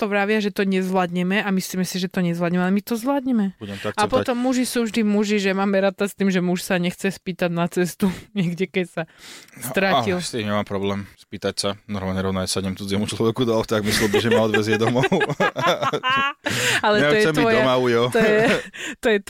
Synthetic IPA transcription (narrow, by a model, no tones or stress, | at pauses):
t̪ɔʋɾaʋɪaʒɛt̪ɔɲɛzʋlad̪ɲɛmɛamisliːmɛsiʒɛt̪ɔɲɛzʋlad̪ɲɛmɛalɛmit̪ɔzʋlad̪ɲɛmɛbbuɟɛmt̪ɔakapɔt̪ɔmːuʒisuːvʒd̪imuʒiʒɛmaːmɛɾaːt̪ast̪iːmʒɛmuʃsaɲɛxt͡sɛspiːt̪aɟnat͡sɛst̪uɲɛɡɟɛkɛcsast̪ɾaːalilst̪iɲɛmaːmpɾɔblɛːmspiːt̪acsanɔɾmaːlɲɛɾɔʊnasaɲɛmt͡sud͡zɪɛmut͡ʃlɔʋɛkud̪ɔɔft̪aɡmisild̪̩ʒɛmaɔd̪ʋɛzɪjɛd̪ɔmɔʊ | alɛtɛɔjɛɛmb̪iɔjd̪ɔmaujɔt̪ɔjɛt̪ɔjɛt̪